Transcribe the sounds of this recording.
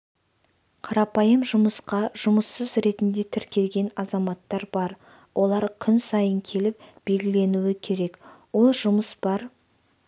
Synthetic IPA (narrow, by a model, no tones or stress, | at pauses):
qʰɑɾɑpɑjəmʒʊməsqɑʒ̥ʊməsːəzɾe̞t̪ɪnd̪e̞t̪ʰɪɾkʲe̞lɡʲe̞nɑzɑmɑt̪ːɑɾbɑɾ | wʔo̞lˠɑɾkʲʰʏnsɑjəŋkʲʰe̞lɪp̚b̥e̞lɡʲɪle̞nuɪkʲʰe̞ɾe̞kwo̞lˠʒʊməsb̥ɑɾ